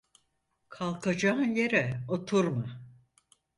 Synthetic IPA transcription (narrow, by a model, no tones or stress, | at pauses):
kʰalˠkʰad͡ʒaɯnjeɾɛot̪ʰuɾma